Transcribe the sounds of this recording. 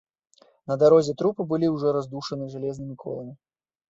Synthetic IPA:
nɐd̪aɾɔzʲɛt̪ɾupɨbɨlʲiwʐɔɾazd̪uʂɐnɨʐalʲɛznɨmʲikʰɔ̰lˠɐmʲi

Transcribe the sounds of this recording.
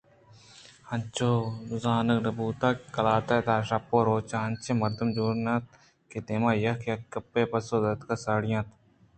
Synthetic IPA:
hɐnt͡ʃoːnʊzaːnɐknɐbuːt̪aːkɐlaːt̪at̪aːʃɐpːoːɾoːt͡ʃaːɐnt͡ʃemɐɾd̪ɐmd͡ʒoːɾnãːt̪̚ | ket̪eːmãːjɐkʰjɐkɐpːeːpɐsoːd̪ɐt̪kɐsaːɽɪjãːt̪

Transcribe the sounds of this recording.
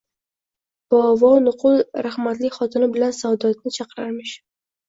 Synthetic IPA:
b̥vɒnʊqʰʊlˠɾahmat̪lɪkʲχɒt̪ʰɪnɪbɪlansawd̪ɒt̪̚nɪt͡ʃʰɑqɾaɾmɪʃ

